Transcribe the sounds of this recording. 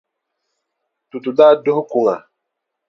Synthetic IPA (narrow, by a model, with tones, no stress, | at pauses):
tu˨tu˨daː˦dʊ˦hʊ˦kʊ˨ŋa˨